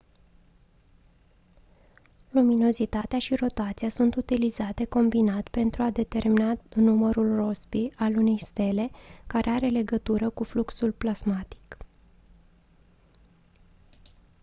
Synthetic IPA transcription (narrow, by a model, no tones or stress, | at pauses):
lumino̞zit̪at̪eaʃiro̞t̪at̪siasunt̪ut̪ilizat̪e̞ko̞mbinat̪pe̞nt̪ɾuad̪e̞t̪e̞rminanuməɾulro̞spiʔalune̞jst̪e̞le̞kaɾʔe̞aɾe̞le̞ɡət̪uɾəkufluksulplazmat̪i̥k